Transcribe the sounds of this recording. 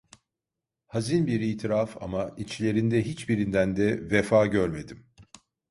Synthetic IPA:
hazinbiɾiːt̪ʰiɾafa̰mait͡ʃlʲe̞ɾind̪ɛɦit͡ʃbiɾind̪ænd̪ɛvefaːɟøɾme̞d̪im

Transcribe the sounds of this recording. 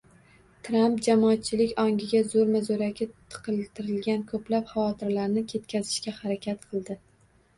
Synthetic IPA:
t̪ʰɾampd͡ʒamɒːt̪̚t͡ʃʰɪlɪkʲɒŋɡʲɪɡʲazoɾmazoɾaɡʲɪt̪ʰɨ̥qʰɨlˠt̪ʰɪɾɪlɡʲankʰɵplapχavɒt̪ʰɪɾlaɾnɪkʲʰe̞t̪̚kʲʰazɪʃkʲahaɾakʲʰat̪qʰɨlˠd̪ɪ

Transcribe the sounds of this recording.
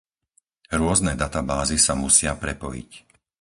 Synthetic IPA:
ɾʊɔznɛd̪at̪abaːzisamusɪapɾɛpɔjḭc

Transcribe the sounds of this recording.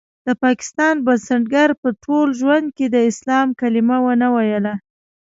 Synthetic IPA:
d̪̥əpɑkɪ̥st̪ɑnbasaɳʈɡaɾpəʈʰolʒwand̪̚ked̪əɪslɑmkalɪmawənawajəla

